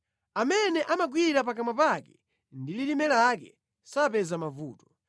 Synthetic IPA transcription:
amɛnɛʔamaɡwiɾapak̬amapakɛ̥ | ndililimɛlakɛ | sapɛzamavṵːtɔ̥

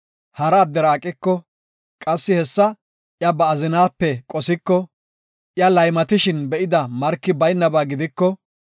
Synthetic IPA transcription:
hɐɾɐːd̪ːɛɾaːkʼːɪkːɔ | kʼɐsːɪhɛsːɐ | ʔjɐbɐːzɪnaːpːɛkʼɔsɪkːɔ | ʔjɐlɐjmɐt̪ɪʃɪnbɛʔɪd̪ɐmɐɾkːɪbɐjnːɐbaːɡɪd̪ɪkːɔ

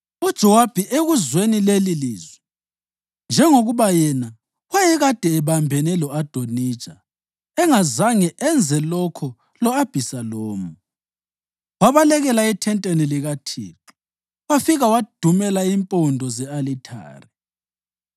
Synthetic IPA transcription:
ud̥ʒ̥ʱɔwab̥ʱiʔeɣuzwenileliliːzwɛ | nd͡ʒʱɛŋoɣuβajɛna | wajɛɣad̥ʱɛːβambʱɛnɛlɔad̥ʱoni̥ːt͡ʃʼa | ɛŋazaŋɛʔɛnd͡zʱɛlɔkʰɔ | lɔab̥ʱisaloːmu | waβalɛɣɛlaɛtʰɛntʼeniliɣatʰḭːǁu | wafiɣawad̥ʱumɛlaimpʼɔndʱɔzɛalitʰa̰ːri

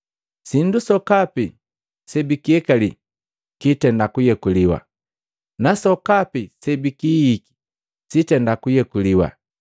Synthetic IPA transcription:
sindusɔkapi | sɛbikiɛkali | kitɛndakujɛkuliwa̰ | nasɔkapisɛbikijiki̥ | sitɛndakujɛkuliwa̰

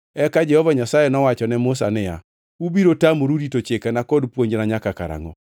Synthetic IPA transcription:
ɛkad͡ʒɛhɔvaɲasajɛnɔwat͡ʃɔnɛmʊs̬a̰nɪja̰ | ubiɾotamoɾuɾitot͡ʃekanakɔdpwoɲd͡ʒnaɲakakaɾa̰ŋɔ̰

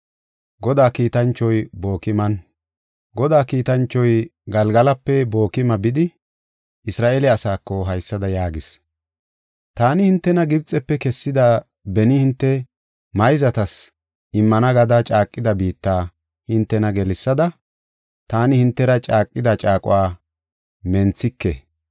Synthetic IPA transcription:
ɡɔd̪aːkiːt̪ɐnt͡ʃːɔjbo̞ːkɪmɐn | ɡɔd̪aːkiːt̪ɐnt͡ʃːɔjɡɐlɡɐlɐpːɛbo̞ːkɪmɐbɪd̪ɪ | ʔɪsɾaːʔelɛɐsaːkːɔɦɐjsːɐd̪ɐjaːɡɪs | t̪aːnɪhɪnt̪ːɛnɐɡɪbt͡sʼːɛpːɛkɛsːɪd̪a | bɛnɪhɪnt̪ːɛ | mɐjzɐt̪ɐs | ʔɪmːɐnɐɡɐd̪ɐt͡ʃʼaːkʼːɪd̪ɐbiːt̪ːaː | hɪnt̪ːɛnɐɡɛlɪsːɐd̪ɐ | t̪aːnɪhɪnt̪ːɛɾɐt͡ʃʼaːkʼːɪd̪ɐt͡ʃʼaːkʼʊ̰waː | mɛnt͡sːɪkːɛ̰

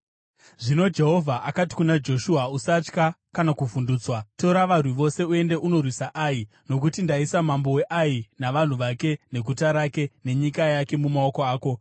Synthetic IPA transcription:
ʐino̞d͡ʒe̞ɦo̞vʱaʔakati̥kunad͡ʒo̞ʃuausat͡ʃka | kanakuvunduːt͡swato̞ɾaʋar̤wiʋo̞se̞ue̞nde̞ʔuno̞rwisaʔai | no̞k̬utindaisamambo̞we̞ʔainaʋan̤uʋake̞ne̞ɡʱutaɾake̞ne̞ɲikajake̞mumao̞ko̞aːko̞

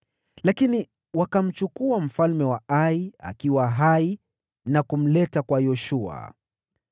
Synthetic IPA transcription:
lakini | wakam̩t͡ʃukuam̩falmɛwaaia̰kiwaɦai | nakum̩lɛtakwajɔʃua̰

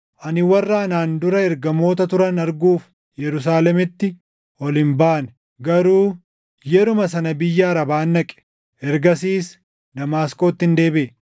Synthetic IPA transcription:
ʔɐnɪwɐrːaːnaːnd̪ʊɾɐɛɾɡɐmo̞ːt̪ɐt̪ʊɾɐnɐɾɡuːf | jɛɾʊs̬aːlɛmɪt̪ːɪ | ɔlɪmbaːn | ɡɐɾuː | jɛɾʊmɐsɐnɐbɪjːaːɾɐbaːnːɐkʼɛ̥ | ʔɛɾɡɐsiːs | d̪ɐmaːskʼo̞ːt̪ːɪnd̪e̞ːbɪː

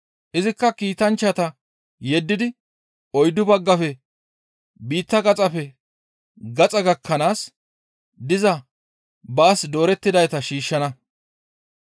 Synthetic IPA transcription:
ʔɪzɪkːɐkiːt̪ɐnt͡ʃːɐt̪ɐ | jɛd̪ːɪd̪ɪ | ɔjd̪ʊbɐɡːɐfɛ | biːt̪ːɐɡɐt͡sʼɐfɛ | ɡɐt͡sʼɐɡɐkʰːɐnaːs | d̪ɪzɐ | bɐːsd̪o̞ːɾɛt̪ːɪd̪ɐjt̪ɐʃiːʃːɐnɐ

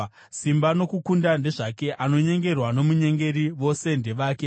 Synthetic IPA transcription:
simbano̞kukundande̞ʐake̞ʔano̞ɲe̞ŋɡe̞rwano̞muɲe̞ŋɡe̞ɾiʋo̞se̞nde̞ʋaːke

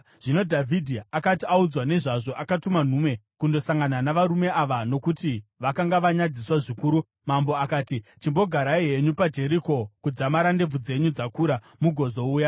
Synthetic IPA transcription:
ʐ̥ino̞dʱavʱidʱiakatiaud͡zwane̞ʐaʐo̞ʔakatuman̤ume̞kundo̞saŋɡananaʋaɾume̞ʔaʋano̞kutiʋakaŋɡaʋaɲad͡ziswaʐikuːɾu | mambo̞akaːtit͡ʃimbo̞ɡʱaɾaiɦe̞ɲupad͡ʒe̞ɾiko̞kud͡zamaɾande̞b͡vud͡ze̞ɲud͡zakuɾa | muɡʱo̞zo̞uːja

